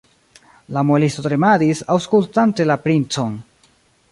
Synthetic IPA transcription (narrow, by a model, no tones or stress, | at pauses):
lamolistotɾemadisawskultante̞lapɾint͡so̞n